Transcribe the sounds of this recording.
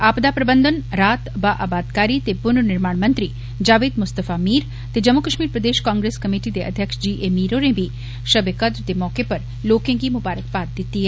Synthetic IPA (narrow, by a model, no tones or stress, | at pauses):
aːpd̪apɾɐbənd̪ənɾaːt̪ʋaʔabaːd̪kaːɾit̪epʊnnɪɾmaːɳmɐ̃nt̪ɾi | d͡ʒaːʋeːd̪mʊst̪əfamiːɾ | t̪ed͡ʒɐmːukəʃmiːɾpɾɐd̪eːʃkãːŋɡɾeːskɐmiːʈid̪eʔɐ̰d̪ʱjəkʃd͡ʒiːʔemiːɾonẽbʱi | ʃɐbekɐd̪ɾt̪emɔːkepɐɾ | loːkẽkimʊbaːɾək̚paːt̪̚d̪ɪt̪ːiɦɛ